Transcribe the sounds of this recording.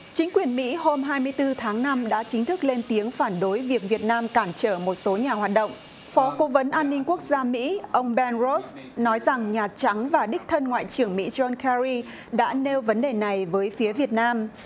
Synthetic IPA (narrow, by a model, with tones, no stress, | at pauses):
t͡ɕï˨˦ŋ̟kwi˨˩ənmḭ˧˥ho˧mɦaː˧jmɨ˧əjt̪ɨ˧t̪ʰaː˨˦ŋna˧mɗa̰ː˧˥t͡ɕï˨˦ŋ̟t̪ʰɨ˦˥k̚le˧nt̪i˨˦əŋfaː˧˩nɗo˨˦jvi˨˩ək̚vi˨˩ət̚naː˧mkaː˧˩mt͡ɕəː˧˩mo˨˩t̚so˨˦ɲaː˨˩ɦwaː˨˩t̚ɗə̰˧˨wŋ͡m | fɔ˨˦ko˨˦və˨˦nʔaː˧nːi˧ŋ̟ku˦˥ək̚zaː˧mḭ˧˥ʔə˧wŋ͡mɓɛ˧nzo˦˥s | nɔ˨˦jza˨˩ŋɲaː˨˩t͡ɕa˨˦ŋvaː˨˩ɗï˦˥k̟̚t̪ʰə˧nŋwa̰ː˧˨jt͡ɕɨ˧˩əŋmḭ˧˥zɔ˧nkɛ˧ɹi˧ | ɗa̰ː˧˥ne˧wvə˨˦nɗe˨˩na˨˩jvəː˨˦jfi˨˦əvi˨˩ət̚naː˧m